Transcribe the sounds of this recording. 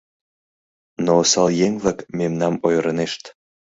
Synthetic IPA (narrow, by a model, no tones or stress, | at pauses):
nosɑljeŋβlɑkmemnɑmojɾəneʃt̪